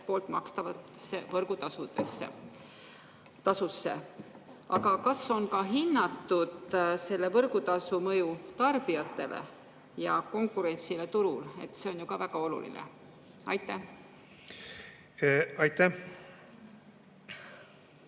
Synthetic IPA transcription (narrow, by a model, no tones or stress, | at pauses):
po̞ːlt̪mɑkst̪ɑvɑt̪sevɤrɡ̥ut̪ɑsud̪̥esːḛ | t̪ɑsusːe̞̰ | ʔɑɡɑkɑsːo̞nkɑɦinːɑt̪ːud̪̥se̞lːe̞vɤrɡ̥ut̪ɑsumɤjut̪ɑrb̥iɑt̪ːˑe̞lʔḛ | jɑko̞ŋkːˑuɾe̞nt̪silet̪uɾule̞̰t̪ːˑse̞o̞njukɑvæɡ̥ɑo̞lṵlḭnḛ | ɑjt̪ːˑæh | ɑjt̪ːæh